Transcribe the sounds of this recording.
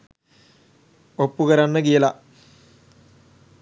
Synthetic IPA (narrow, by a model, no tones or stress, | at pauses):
opːukəɾanːəkijəla